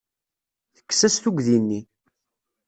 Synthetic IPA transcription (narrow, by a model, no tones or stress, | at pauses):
θə̥kːsæsθuɡðinːi